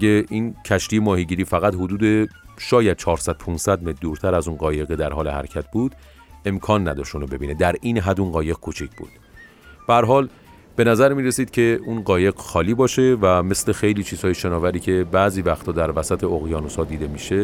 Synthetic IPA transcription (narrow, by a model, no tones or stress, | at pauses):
ɡeʔincʰæʃt̪ijemɒːhiɟiːɾiːfæɣæt̪hod̪uːd̪eʃɒːjæd̪̥̚t͡ʃʰɒːɾsæd̪̥̚pʰunsæd̪met̪̚ʰd̪uːɾt̪ʰæɾæzunɢɒːje̞ɣed̪æɾhɒːle̞hæ̰ɾcʰæt̪̚ʰbuːd̪̥ | e̞mkʰɒːnːæ̰d̪ɒ̰ːʃt̪unobe̞biːne̞d̪æɾiːnɦæd̪unɢɒːje̞ɣ̥̚kʰot͡ʃʰicʰb̥ṵːd̪̥ | b̥ææɾɦɒːl | b̥e̞næzæɾmiːɾesiːd̪̥̚cʰe̞ʔuːnɢɒːje̞ɡxɒːliːbɒːʃe̞væme̞sle̞xejliːt͡ʃʰiːz̥hɒːjeʃenɒːvæɾiːcʰe̞bæʔziːvæxt̪ʰɒːd̪æɾvæsæt̪ʰeoɣjɒːnosɒːd̪iːd̪emiːʃe